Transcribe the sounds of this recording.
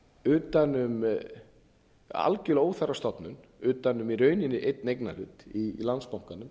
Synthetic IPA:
ʏːt̪anʏm | a̰lcʏloːwθaɾast̪ɔt̪nʏn | ʏːt̪anʏmiɾœːɥnɪnːɪʔejt̪nejkna̰lʏːt̪ilant̪spawŋkanːʏm

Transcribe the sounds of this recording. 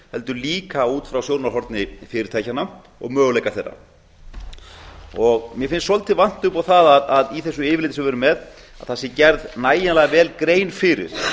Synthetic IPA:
hɛl̪t̪ʏliːkauːt̪fɾawsjowɾnaɾɦɔɾt̪nɪfɪːɾɪɾt̪ʰaːjcana | ɔ̰ɣmœːɣʏlejkaθejrːa̰ | ɔɣmjɛfɪnsːɔlt̪ʰɪvan̥t̪ʏpawθaðaðaðiθɛsːʏɪːvɪlɪːt̪ɪsɛmvɛːɾʏmɛð | a̰ðθasːɪcɛɾðnaːjanlɛɣavɛːlkɾeːjnfɪːɾɪ̰ɾ̥

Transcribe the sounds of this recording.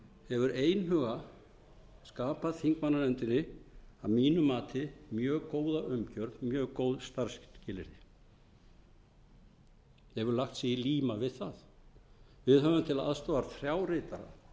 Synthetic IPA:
hɛvʏɾeːjnɦœːɣa | skaːpaðθiŋkmanːanɛnt̪ɪnːɪavmiːnʏmaːt̪ʰɪmjœːɣkoːwðaʔʏmcœɾðmjœːɣkoːwðst̪aɾ̥scɪːlɪɾɪ | ɛɛvʏɾlaxt̪sɪiliːmavɪðθað | vɪðɦœvʏmt̪ʰɪlaða̰ðst̪oːaɾθɾjawrɪːt̪aɾa̰

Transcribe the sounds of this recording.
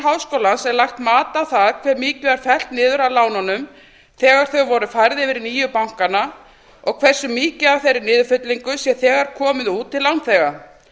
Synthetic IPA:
ɦawskowlansɛɾlajxt̪maːt̪awθaðkʰvɛːɾmiːcʏaɾ̥fɛl̥t̪nɪːðʏɾalaːwnanʏm | θɛːɣaɾ̥θœɣvɔɾʏfajɾðɪvɪɾniːjʏpawŋ̥kana | ɔɣkʰvɛr̥sʏmiːcɪavθejɾɪnɪːðʏfʏt̪liŋkʏsjɛθɛːɣaɾ̥kʰɔːmɪðuːt̪ʰːɪlːawnθɛɣa

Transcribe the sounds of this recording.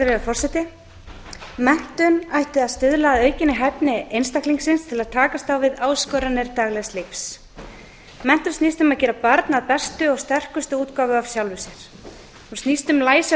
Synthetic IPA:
ɾɪafɔrsɛt̪ɪ | mɛn̥t̪ʏnajht̪ɪaðst̪ʏðlaœːɥcɪnɪɦɛpnɪejnst̪ahkliŋksɪnst̪ʰɪlaðt̪ʰaːkast̪awvɪðaːwskœːɾanɪɾt̪aːɣlɛɣst̪lefs | mɛn̥t̪ʏɾ̥snist̪ʏmaðcɛːɾapaɾt̪naðpɛst̪ʏɔɣst̪ɛr̥kʏst̪ʏuːt̪kavʏav̥sjawlvʏsɛɾ̥ | hunstnist̪ʏmlaːjs

